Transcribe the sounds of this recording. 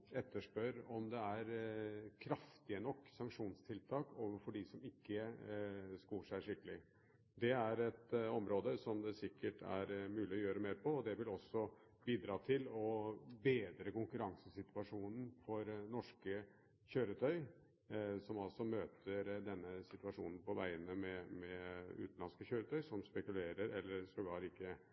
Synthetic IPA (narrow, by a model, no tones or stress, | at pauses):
ɛt̪ːəʂpœɾɔmd̪ɛæɾkʰɾɑft̪ɪənɔkːsɑŋkʂuːnst̪ʰɪlt̪ʰɑːkoːʋəɾfɔɖɪsɔmɪkːə | skuːʂæɪʂɪkːəlɪ | d̪ɛæɾɛt̪ɔmɾoːd̪əsɔmd̪ɛsɪkːəʈʰæ̰ɾmʉːlɪɔjøːɾəmeːɾpʰɔːd̪ɛʋɪlɔsːɔ | biːd̪ɾɑːt̪ʰɪlɔbeːd̪ɾəkʊŋkʉɾɑŋsəsɪt̪ʉɑʂuːnn̩fɔɾnɔʂkə | çøːɾət̪ʰœʏ | sɔmɑlsɔmøːt̪ʰəɾd̪ɛnːəsɪt̪ʉʋɑʂṵːnn̩pʰɔʋæɪənəmɛmɛʉ̰ːt̪n̩lɑnskəçøːɾət̪ʰœʏsɔmspɛkʉleːɾəɾɛlːəɾsɔɡɑːɾɪkːə